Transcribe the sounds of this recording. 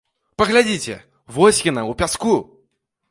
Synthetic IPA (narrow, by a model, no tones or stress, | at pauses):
pɐɣlʲad͡zʲit͡sʲɛ̰ | vɔsʲkʲinɐupʲasku